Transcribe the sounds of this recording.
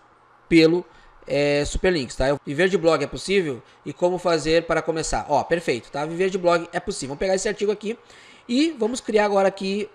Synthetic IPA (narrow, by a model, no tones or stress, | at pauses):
pelʊ | ɛsu̥peɾlĩkɪ̥st̪aewviveɾd͡ʒɪblɔɡɪɛposivew | ɪkõmʊfazeɾpaɾɐkõmesa̰ɾʔɔpeɾfejt̪ʊ̥t̪aviveɾd͡ʒɪblɔɡɪʔɛpʊsivɐ̃mpeɡaɾesɪaɾt͡ʃiɡʊaki | ɪvɐ̃mʊskɾiaɾaɡɔɾɐaːki